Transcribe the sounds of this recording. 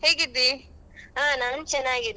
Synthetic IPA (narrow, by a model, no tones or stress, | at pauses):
heːɡid̪i | ɦaːnaːnt͡ʃɐnːaːɡid̪